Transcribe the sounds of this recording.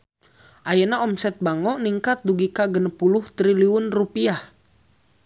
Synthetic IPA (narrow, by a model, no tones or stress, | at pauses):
ʔajanaɔmsɛt̪̚baŋɔʔniŋkat̪̚duɡikaɡənəpulʊht̪ɾiliunrupiah